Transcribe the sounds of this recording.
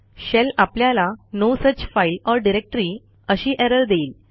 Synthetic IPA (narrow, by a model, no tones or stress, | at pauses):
ɕɛlapljalanosət͡ɕfailɔɾɖiɾek̚ʈɾiː | əɕiːʔɛɾəɾd̪eːl